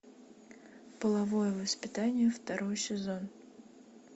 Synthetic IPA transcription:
pəlˠɐvojəvəspʲɪt̪anʲɪjəft̪ɐɾɔjsʲɪzon

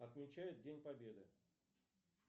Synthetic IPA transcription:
ɐt̪mʲɪt͡ɕæjɪt̪̚dʲenʲpɐbʲe̞d̪ɨ

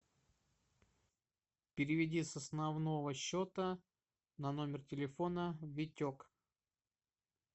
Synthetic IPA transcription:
pʲɪɾʲɪvʲɪdʲisɐsnɐvno̞vəɕːot̪ə | nɐno̞mʲɪrtʲɪlʲɪfo̞nəvʲɪtʲok

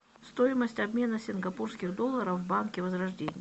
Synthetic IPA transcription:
st̪o̞jɪməsʲtʲɐbmʲe̞nəsʲɪnɡɐpurskʲɪɣd̪o̞lˠːəɾəfvbankʲɪvəzɾɐʐdʲenʲɪj

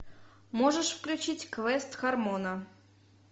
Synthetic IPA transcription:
moʐəʂfklʲʉt͡ɕitʲkvɛst̪xɐrmonə

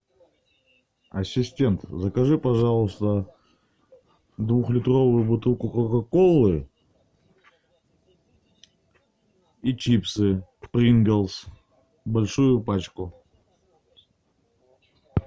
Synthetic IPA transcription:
ɐsʲːɪsʲtʲe̞nt̪zəkɐʐɨpɐʐɑlˠʊst̪ə | d̪vuxlʲɪt̪ro̞vʊjʊbʊt̪ɨlˠkʊkɾəkɐko̞lˠːɨ | it͡ɕipsɨkpɾʲinɡʲelˠs | bɐlʲʂujʊpat͡ɕkʊ

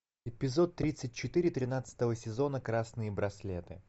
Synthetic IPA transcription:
ɪpʲɪzo̞t̪ːɾʲit̪sɨt̚ʲt͡ɕɪt̪ɨɾʲɪt̪ɾʲɪnat̪sɨ̥t̪əvəsʲɪzo̞nəkɾasnɨjəbɾɐslʲet̪ɨ̰

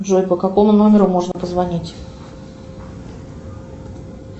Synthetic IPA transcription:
ʐojʲpəkɐko̞mʊnomʲɪɾʊmo̞ʐnəpəzvɐnʲitʲ

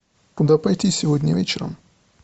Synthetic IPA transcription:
kʊd̪apɐjt̪ʲisʲɪvodʲnʲəvʲet͡ɕɪɾə̰m

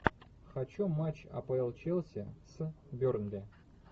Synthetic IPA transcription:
xɐt͡ɕumat͡ɕɐ̰pɐɪlˠt͡ɕelˠsʲəs | bʲornbʲe

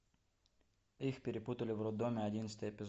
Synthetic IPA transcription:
ixpʲɪɾʲɪput̪ɐlʲɪʋrɔd̪ɔmʲɪɐdʲinsʲɪ̥t̪əjepʲɪz

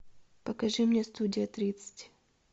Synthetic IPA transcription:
pəkɐʐɨmnʲest̪udʲɪjət̪ɾʲit̪sɨ̥tʲ

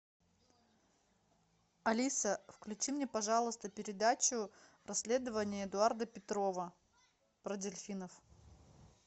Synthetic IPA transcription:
ɐlʲisəfklʲʉt͡ɕimnʲepɐʐɑlˠəst̪əpʲɪɾʲɪd̪at͡ɕʊ | rʔɐsʲlʲe̞d̪əvənʲɪjəɪd̪ʊard̪əpʲɪt̪ɾo̞və | pɾədʲɪlʲfʲinəf

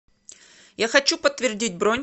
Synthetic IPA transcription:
jaxɐt͡ɕupət̪ːvʲɪrdʲitʲbɾonʲ

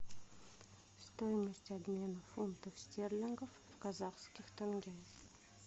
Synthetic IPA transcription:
st̪ojməsʲtʲɐbmʲe̞nəfunt̪əfsʲtʲerlʲenɡəfvkɐzaχskʲɪxt̪anɡʲajəx

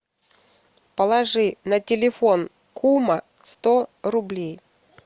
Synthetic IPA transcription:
pəlˠɐʐɨnɐtʲɪlʲɪfon | kʰumə | st̪oɾʊblʲej

